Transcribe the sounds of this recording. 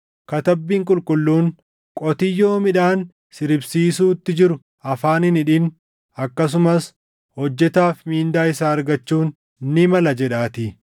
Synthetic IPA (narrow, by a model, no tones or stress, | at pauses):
kɐt̪ɐbːiːŋkʼʊlkʼʊlːuːn | kʼɔt̪ɪjːo̞ːmɪᶑaːn | sɪɾɪbsiːs̬uːt̪ːɪd͡ʒɪɾʊ | ʔɐfaːnɪnɪᶑɪn | ɐkːɐs̬ʊmɐs | hɔd͡ʒːɛt̪aːfmiːnd̪aːɪsaːɐɾɡɐt͡ʃːuːn | nɪmɐlɐd͡ʒɛᶑaːt̪ɪ